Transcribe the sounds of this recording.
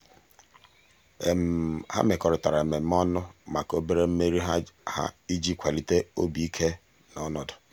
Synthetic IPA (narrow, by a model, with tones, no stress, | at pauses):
ha̰˦me˨kɔ˨ɾʊ˨ta˨ɾa˨e˨me˨m̩˦ɔ˦nʊ˦ma˨ko˦be˦ɾe˦m̩˦me˦ɾi˦ɦa˦ha̰˦i˦d͡ʒi˦kʷʰa˨li˨te˦o˦bi˨˦i˦kʰe˦ | nɔ˦nɔ˨dʊ˨